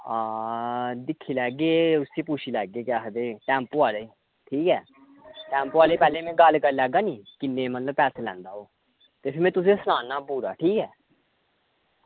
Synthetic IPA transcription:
aːd̪ɪkʰːiːlɛːɡeːʊseːpuːt͡ʃʰiːlɛːɡeːkɪasd̪eːʈɛ̃ːmpoaːleː | ʈʰiːkɛː | ʈɛ̃ːmpːaːleːpɛːlẽːmɛ̃ːɡəlkəɾlɛːɡaːniːkɪnːẽːmət̪ləbpɛːsːlɛ̃ːnd̪aːoː | t̪eːpʰɪɾmɛ̃ːt̪ʊs̬ẽːsnaːnaːbuɾaːʈʰiːkɛː

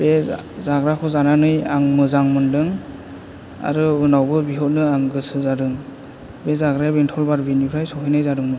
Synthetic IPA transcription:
b̥ezaɡɾakʰɔzananɯjaŋmɯzaŋmɯndɯŋ | a̰ɾɯɯnawbɯbiɦɔt̚nɯaŋɡɯsɯzadɯŋ | bezaɡɾajbentʰɔlbaɾbinipʰɾajsɔkʰɯjnɯjzadɯŋmɯ

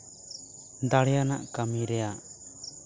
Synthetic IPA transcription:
d̪aɽjanaʔkamiɾɛjaʔ

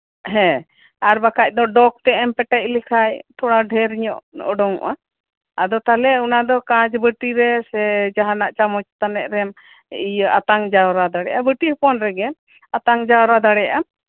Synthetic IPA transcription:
ɦɛ̃ | aɾbakʰac̚ˀd̪ɔɖɔk̚t̪ɛɛmpɛʈɛc̚ˀlikʰajt̪ʰɔɽaɖʱɛɾiɲɔʔɔɖɔŋɔ̰ʔa | ad̪ɔt̪alɛunad̪ɔkãd͡ʒbəʈiɾɛsɛd͡ʒaɦanaʔt͡ʃamɔt͡ʃt̪anɛʔɾɛm | ijʔat̪aŋd͡ʒawɾad̪aɽɛjʔabəʈipɔnɾɛɡɛ | at̪aŋd͡ʒawɾad̪aɽɛja

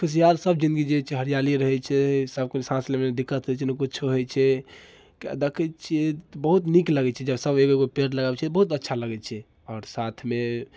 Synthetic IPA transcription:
kʰus̬ijalsəb̚d͡ʒind̪ɡid͡ʒet͡ʃʰɛɦəɾijaliɾəɦɛt͡ʃʰɛsəb̚kensãslemened̪ikːət̪ɦot͡ʃʰinəkutːt͡ʃʰoɦojt͡ʃʰɛ | ka̰d̪ekʰət͡ʃʰiet̪bəɦut̪nikləɡɛt͡ʃʰɛd͡ʒəbsəbeɡoeɡopeʈləɡabet͡ʃʰɛbəɦut̪ətːʃʰaləɡɛt͡ʃʰɛ | ɔːɾsat̪ʰme

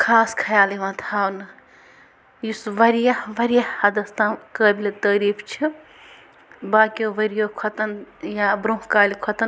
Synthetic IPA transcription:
kʰaːskʰɐjaːliʋãt̪ʰaːnɨ | jisʋɐɾijɐʋɐɾijahɐd̪ɐst̪ãkəːbilt̪əːɾiːpʰt͡ʃʰi | baːkioʋɐɾijoːkʰɐt̪ɐnjabɾũːɦkaːlikʰɐt̪ɐn

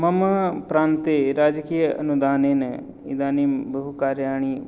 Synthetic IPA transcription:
mɐmɐpɾaːnt̪eɾaːd͡ʒkijəɐ̰nud̪aːneːnɐ | ḭd̪aːnimbɐɦukaːɾjaːɳ̃i

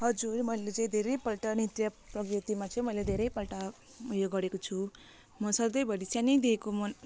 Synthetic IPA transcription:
hʌd͡zurmʌilet͡sʌĩd̪ʱeɾʌjpʌlʈʌnit̪jʌprʌkrʌt̪imat͡sʰʌĩmʌjled̪ʱeɾʌjpʌlʈa | ujoɡʌɾekot͡sʰu | mʌsʌd̪ʌjbʱʌɽisjanijd̪iekomʌn

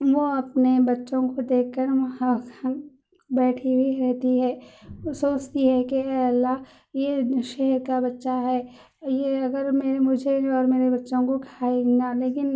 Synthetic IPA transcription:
ʋoɐpnebɐtːʃõkod̪eːkʰːəɾʋɐã | bɛːʈʰibʱiɾɛɦt̪iɦɛːsoːt͡ʃt̪iɦɛkeɛːlːaɦ | jeʃɛɦɛɾkabɐtːʃaɦɛː | jeɐɡəɾmeːɾmʊd͡ʒʱeɔːɾmeːɾebɐtːʃõkokʰaːenaleːkɪn

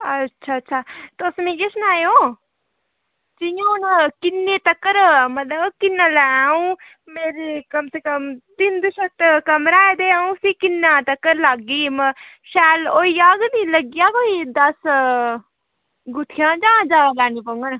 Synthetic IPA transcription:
ɐtːʃʰaːtːʃʰaːt̪oːsmĩːd͡ʒesnaːjo | t͡ʃijankɪnːet̪ɐkːəɾmɐt̪ləbkɪnːalaaũ | meːɾikɐmsekəmd̪ind̪əʃɐkt̪kɐmɾaːed̪eːãːũsikɪnːãt̪ɐkːəɾlaːɡiːm | ʃɛːloːiaːɡniləɡijaːkoːid̪ɐs | ɡʊt̪ʰijãd͡ʒãːd͡ʒaːlaːnipəŋɡən

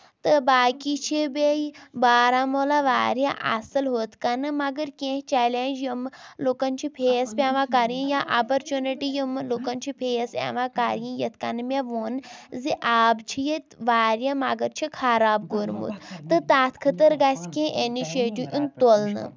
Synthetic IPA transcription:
t̪ɨbaːkit͡ʃʰibejbaːɾamoːlaʋaːɾja̰ʔɐ̰sɨlɦoːt̪kanɨmɐɡəɾkʲẽɦt͡ʃɛːlend͡ʒjɐmloːkɐnt͡ʃʰipʰeːspʲãːʋãkaːɾjĩjaʔapɐɾt͡ʃuniʈijimloːkɐnt͡ʃʰipʰeːsʲa̰ːʋãːkaːɾjĩjɐt̪ʰkɐnɨmʲeʋoːnziʔaːbt͡ʃʰijɐt̪ʋaːɾjãmɐɡəɾt͡ʃʰikʰaːɾaːbɡoɾmṵt̪t̪ɨt̪aːt̪ʰkʰət̪əɾɡasʲkẽʔeniʃeːʈũʔunt̪olnɨ̰

